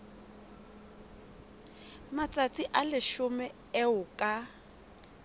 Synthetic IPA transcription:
mat͡sʼat͡sʼiʔalɪʃʊmɛ | ɛʊkʼa

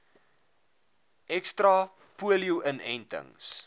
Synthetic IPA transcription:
ʔɛkstrɑ | puəljuʔənɛntə̰ŋs

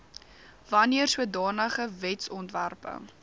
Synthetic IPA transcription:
vɐniərsuədɑːnəχəvɛtsɔntværpə̰ŋ

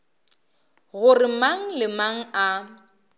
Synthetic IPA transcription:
ɣʊrɪmaŋ̩lɪmaŋ̩ʔa

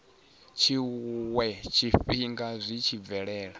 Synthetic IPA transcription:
t͡ʃʰiwɛt͡ʃʰiɸiŋɡazʷit͡ʃʰib̪vɛɺɛːɺa

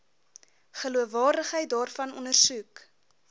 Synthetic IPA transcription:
χəluəvɑːrdəχɦəjt̚dɑːrfɐnɔ̰ndərsuk

